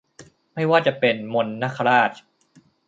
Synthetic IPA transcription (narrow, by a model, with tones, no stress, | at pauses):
ma˥˩jwaː˥˩t͡ɕa˨˩pe˧nmo˧nːa˦˥˩kʰa˧ɾaː˥˩t̪̚